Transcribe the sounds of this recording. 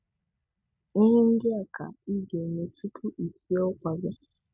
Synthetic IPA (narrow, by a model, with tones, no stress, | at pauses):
i˦ɦe˦n̩˦dɪ˦a˨kʰa̰˨i˦ɡe˨ne˨tu˦tʰu˦ʔi˨si˦ɔ˦kʷa˨bɪ˦